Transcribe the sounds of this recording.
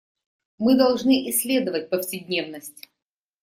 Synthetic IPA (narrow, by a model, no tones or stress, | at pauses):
mɨd̪ɐlˠʐnɨʔɪsʲːlʲe̞d̪əvət̚ʲpəfsʲɪdʲnʲe̞vnəsʲtʲ